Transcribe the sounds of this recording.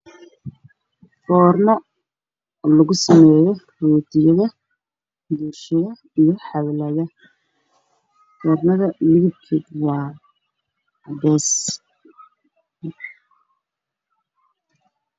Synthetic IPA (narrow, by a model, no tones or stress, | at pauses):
fɔːrnɔ | lɐɣʊsɐmɛːjɔ | ruːt̪ʰɪjɐðɐ | d̪uːrʃɐðɐ | ijɔħɑβlɐðɐ | ɡ̥ɔːrnɐðɐlɪɣɪb̚kʰɪd̪wɑː | bɛːs